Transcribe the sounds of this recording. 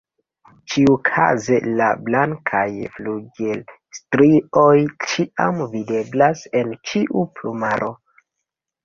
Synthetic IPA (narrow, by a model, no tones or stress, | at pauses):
t͡ʃiukʰa̰zelablaŋkʰajfluɡel | stɾio̞jt͡ʃiʔa̰mvide̞blase̞nt͡ʃiʔuplumaɾʔo̞